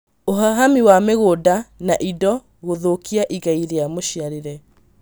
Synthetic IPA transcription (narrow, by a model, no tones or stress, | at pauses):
ohaɦamiwameɣodanaʔidɔ | ɣoðokiaʔiɣaiɾeamoɕiaɾeɾɛ